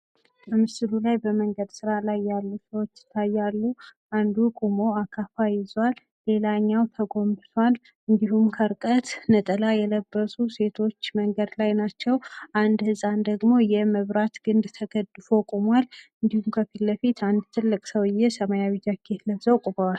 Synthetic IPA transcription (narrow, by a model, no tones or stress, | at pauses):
bəmɨsɨlulajbəməŋɡəd̪sɨɾalajːalːusəwot͡ʃːɪ̥t̪ʰːajːalːu | and̪ukʼumo̞akʰafajɪzwalːe̞laɲːawt̪ʰəɡo̞mbɨt̪ʰwal | ɨnd̪ihumkʰəɾkʼət̪nət̪ʼəlajɛləbːəsuse̞t̪ʰo̞t͡ʃːməŋɡəd̪lajnat͡ʃːɛwʔand̪hɨsʼand̪əɡmo̞jɛməβɾat̪ɡɨnd̪t̪ʰəɡəd̪ɨfo̞kʼomwalɨnd̪ihumkʰəfilːəfit̪and̪t̪ʰɨlːɨkʼsəwɨjːɛsəmajawid͡ʒakʰe̞t̪ləβzəwkʼubəwal